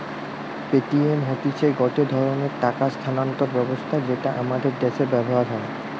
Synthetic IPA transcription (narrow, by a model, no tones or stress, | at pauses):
peʈiemɦot̪it͡ɕʰeɡɔt̪od̪ʱɔɾoneɾʈakast̪ʰanant̪oɾbɛbost̪ʰad͡ʑeʈaʔamad̪eɾd̪eʃeɾbɛboɦaɾɦɔe